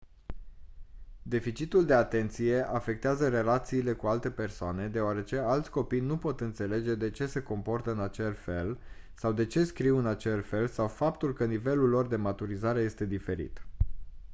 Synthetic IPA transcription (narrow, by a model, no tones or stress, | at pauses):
d̪e̞fit͡ʃit̪uld̪e̞at̪e̞nt̪sije̞ʔafe̞k̚t̪eazəɾe̞lat̪siːle̞kualt̪e̞pe̞rsoane̞d̪e̞oaɾe̞t͡ʃe̞alt̪sʲko̞pijnupo̞t̪ɨnt̪se̞le̞d͡ʒe̞d̪e̞t͡ʃe̞se̞ko̞mpo̞rt̪əɨnat͡ʃe̞lfe̞l | sawd̪e̞t͡ʃe̞skɾiwɨnat͡ʃe̞slfe̞lsawfapt̪ulkənive̞lulːo̞rd̪e̞mat̪uɾizaɾe̞je̞st̪e̞d̪ife̞ɾḭt̪